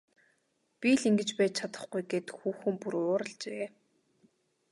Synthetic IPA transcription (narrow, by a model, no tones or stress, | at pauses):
pʲiɮiŋɡɘ̆t͡ɕpæːt͡ɕt͡ɕʰat̪ə̥̆χɡujɡeːt̪xuːxɘ̆mpuɾʊːɾə̆ɮt͡ɕeː